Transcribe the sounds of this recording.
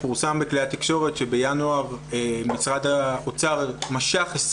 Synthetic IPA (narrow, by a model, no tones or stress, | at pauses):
fuʁsambekleat̪ikʃo̞ʁe̞t̪ʃebejanuaʁemisʁad̪aot͡saʁmaʃaχes